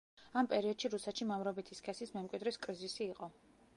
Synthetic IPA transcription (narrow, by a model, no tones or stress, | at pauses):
ampʼɛɾiɔd̪ʃiɾusɛt̪ʃimamɾɔbit̪ʰiskʰɛsismɛmkʼwid̪ɾiskʼɾizisiːqʼɔ